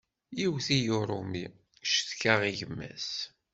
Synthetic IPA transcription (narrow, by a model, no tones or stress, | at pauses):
jiwθijoɾˤumi | ʃθkaʁiʝəmːæ̰s